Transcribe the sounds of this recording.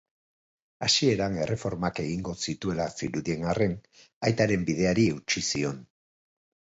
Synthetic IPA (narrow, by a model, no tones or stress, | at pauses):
asie̞ɾaŋe̞re̞fo̞ɾmake̞ɣiŋɡo̞sit̪ue̞lasiɾuðie̞ŋare̞n | ajt̪aɾe̞mbið̞e̞aɾie̞wt͡ʃisio̞n